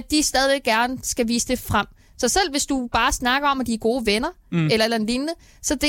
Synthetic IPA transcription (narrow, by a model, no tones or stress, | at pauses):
d̚d̥isd̥ɛːð̞ˠiʋeɡ̥ɡ̥æɐnəsɡ̥æʋḭːsəd̥e̝fʁam̰ | sɒ̽sel̰ʋe̝sd̥ub̥ɑ̈ːsnɑ̈ɡ̥ɐɒ̽mæd̥iɡ̥o̝ːʋenɐ | elɐelɐenlinnə | sɒ̽d̥e̝